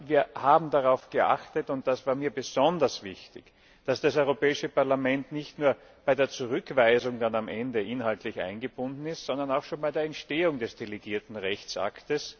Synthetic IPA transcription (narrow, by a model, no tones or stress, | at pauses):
viːɐhaːbm̩daʁaʊfɡ̥əʔa̰χtətʊnt̚d̥asv̥aːɐmiːɐbəz̥ɔndɐsv̥ɪçtɪ̰ç | d̥asd̥asɔʏʁopɛːɪʃəpaɐlamɛntnɪçtnuːɐ | b̥aɪdeːɐt͡suʁʏkv̥æɪzʊŋdanamʔɛndəʔɪnhaltlɪçʔa̰ɪnɡəb̥ʊndn̩ɪstz̥ɔndɐnaʊxʃoːnbæɪdeːɐɛntʃteːʊŋdɛsd̥eliɡiːɐtn̩ʁɛçt͡sʔa̰ktəs